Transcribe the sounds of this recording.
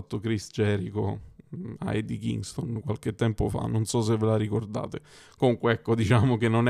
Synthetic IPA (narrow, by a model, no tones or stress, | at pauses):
t̪ːokɾist͡ʃɛːɾiko̰ | a̰jd̪ikḭŋɡst̪onkwalket̪ːɛmpofa̰nːonsɔs̬evːelaɾikord̪a̰ːt̪e | komuŋkweɛkːod̪it͡ʃaːmokenːon